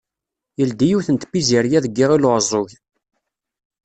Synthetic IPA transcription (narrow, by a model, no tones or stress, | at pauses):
jəld̪ijiwθənt̪biziɾjæðəɡːiʁilʁzˤoʝ